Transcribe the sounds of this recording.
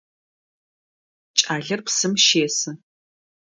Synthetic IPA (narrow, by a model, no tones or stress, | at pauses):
t͡ʃʼaːɮɐrpsɨmʃeːsɨ